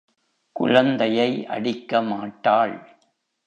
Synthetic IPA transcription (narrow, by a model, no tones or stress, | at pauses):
kʊ̰ɻɐnd̪ɐjɐɪʔɐ̰ɽɪkːɐmaːʈːaːɭ